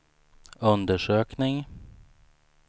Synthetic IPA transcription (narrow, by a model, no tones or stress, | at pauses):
ɵnd̪əʂøːknɪŋ